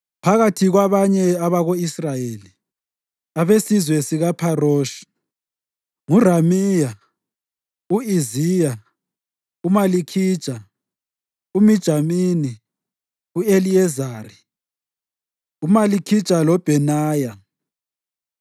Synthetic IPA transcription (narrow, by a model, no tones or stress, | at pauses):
pʰaɣatʰiɣwaβaɲɛaβaɣoisrajeːli | aβesizwɛsiɣapʰaroːʃi̥ | ŋuramija | uizija | umalikʰi̥ːt͡ʃʼa | umid̥ʒ̥ʱamiːni | ueliɛzaːri | umalikʰi̥t͡ʃʼalɔb̥ʱɛnaːja